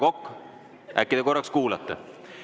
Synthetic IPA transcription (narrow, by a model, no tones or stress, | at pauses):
ko̞kː | æ̰kːid̪̥eko̞rːɑkskuːlɑt̪ːˑɑ̰